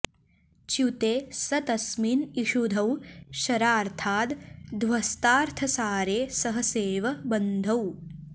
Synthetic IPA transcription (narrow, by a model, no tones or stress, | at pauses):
t͡ʃut̪eːsɐt̪ɐsminiʃud̪ʱɐwʃɐɾaːɾt̪ʰaːt̪d̪ʋɐst̪aːɾt̪ʰɐsaːɾeːsɐɦɐseːʋɐbɐnd̪ʱɐw